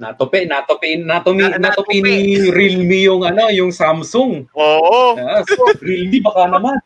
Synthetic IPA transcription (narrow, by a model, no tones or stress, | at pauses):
na̰t̪opɛʔnat̪opinat̪ominat̪opiniɾilmijʊŋɐnojʊŋsamsʊŋoːʔaɾilmibɐkanɐman